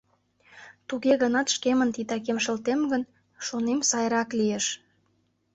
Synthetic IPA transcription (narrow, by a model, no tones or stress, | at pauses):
t̪uɣeɣənɑt̪ʃkemənt̪it̪ɑkemʃə̆lt̪emɡən | ʃonemsɑjɾɑklieʃ